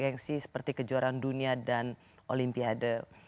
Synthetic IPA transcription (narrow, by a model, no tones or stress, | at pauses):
ɛnsisə̥pərt̪ikəd͡ʒuaɾanduniadan | ʔolimpiadə